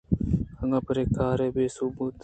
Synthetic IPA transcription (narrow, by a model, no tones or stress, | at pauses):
həŋapəɾeːkaːɾeːbeːsubuːt̪